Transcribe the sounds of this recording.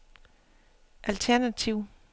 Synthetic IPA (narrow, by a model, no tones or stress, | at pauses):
ʔælt͡sʰæɐnæt͡sʰiʊ̰